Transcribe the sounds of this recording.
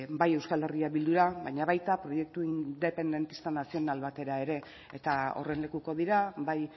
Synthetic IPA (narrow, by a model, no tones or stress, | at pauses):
baje̞wskale̞riaβild̪uɾaβajɲaβajt̪apɾo̞je̞k̚t̪uind̪e̞pe̞nd̪e̞nt̪i̥st̪anasio̞nalβat̪e̞ɾae̞ɾe̞ː | t̪ao̞̰re̞nle̞kuko̞ðiɾabaj